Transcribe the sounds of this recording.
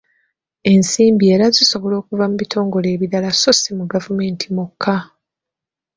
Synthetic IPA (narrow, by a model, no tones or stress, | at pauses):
e̞nsiːmbie̞ːɾaziso̞βo̞lo̞ːkuvamuβitʰo̞ːŋɡo̞le̞ːβiɾalaso̞simuɡavume̞ːntʰimukʰːa